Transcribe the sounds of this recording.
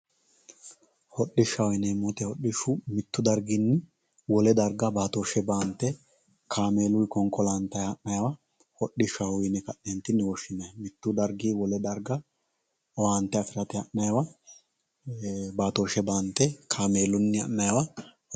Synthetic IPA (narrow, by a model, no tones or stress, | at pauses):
hɔɗːɪʃɐwjɪnɛmːɔt̪ɛhɔɗɪʃʊmɪt̪ːʊd̪ɐɾɡɪnːɪ | wɔlɛd̪ɐɾɡɐbaːt̪oːʃɛbaːnt̪ːɛ | kʰaːmeːlʊjkɔŋkʼːɔlaːnt̪ːɐjɐʔːɐjɐwɐ | hɔɗːɪʃɐwʊjɪnɪkɐɗːent̪ːɪnːɪwɔʃɪnːɐjmɪt̪ːʊd̪ɐɾɡiːwɔlɛd̪ɐɾɡɐ | waːnt̪ːɛɐfɪɾɐt̪ɛhɐʔnɐjɐwɐ | baːt̪oːʃɛbaːnt̪ːɛkʰaːme̞ːlʊnːɪɐ̰nːɐjɐwɐh